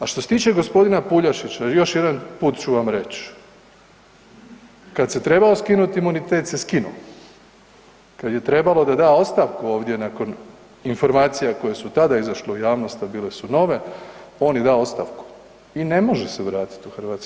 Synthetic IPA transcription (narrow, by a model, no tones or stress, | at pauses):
aʃt̪oset̪iːt͡ʃe̞ɡo̞spo̞d̪inapuʎaʃit͡ɕajo̞ʃje̞d̪anpuːt̪t͡ʃuʋamɾe̞t͡ʃ | kad̪se̞t̪ɾe̞baoskinut̪imunit̪e̞ːt̪seskinṵ | kad̪je̞t̪ɾe̞balo̞d̪ad̪aːo̞t̪st̪aʋkuo̞ːʋd̪je̞naːko̞n | info̞ɾmaːt̪sijako̞jesut̪ad̪aizaʃleujaːʋno̞st̪abiːle̞suno̞ʋe̞o̞ːnjid̪aːo̞t̪st̪aʋku̥ | ine̞mo̞ʒeseʋɾaːt̪i̥t̪uxrʋaːt̪sk